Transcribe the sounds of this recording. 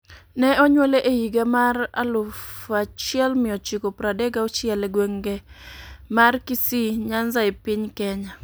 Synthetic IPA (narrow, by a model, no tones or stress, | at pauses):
nɛɔɲwɛleʔejiɡamara̰lʊfat͡ʃɪɛlmɪɔt͡ʃikopɾadɛɡaot͡ʃɪɛlɛɡweŋɡe | markisiɲanzaepɪɲkɛɲa